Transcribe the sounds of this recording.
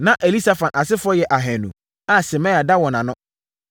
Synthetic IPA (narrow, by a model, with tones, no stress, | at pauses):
nã˦ʔe˨li˦sa˨fã˨nʔa˨sɪ˦fʊ˦ɔ˦jɛ˨ʔa˨ɦɛ̃˨nṵ̃˨ | a˦sɛ˨mã˦˨a˨da˦wɔ̃˨nã˨nʊ̃˦